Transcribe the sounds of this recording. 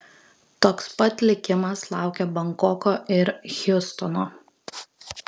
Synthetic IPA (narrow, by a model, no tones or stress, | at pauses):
t̪oːkspɐt̪ʲlʲɪkʲɪmɐslˠɑˑʊkʲɛbɐŋkɔkoːʔɪɾxʲʊst̪ɔnoː